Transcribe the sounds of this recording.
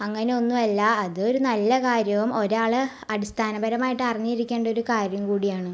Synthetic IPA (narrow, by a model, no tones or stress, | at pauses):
ɐŋːɐne̞o̞nːumɐlːɐɐðɨo̞ɾunɐlːɐkaːɾjɐʋumo̞ɾaːɭɨ | ɐɽist̪ʰaːnɐbɐɾɐmaːjiʈːɨɐriɲːijiɾikʲːe̞ːɳɖɐo̞ɾukaːɾjɐmkuːɽijaːɳɨ